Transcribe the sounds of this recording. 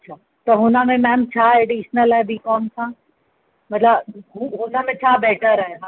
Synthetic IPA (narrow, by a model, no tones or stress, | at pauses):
ɐtːʃʰaː | t̪oɦʊnãmẽmɛ̃ːmt͡ʃʰaːeːɖiːʃnəlɛːbʱikɔːnsãː | mɐt̪ləbɦuɦʊnãmẽt͡ʃʰaːbeːʈəɾɛɦ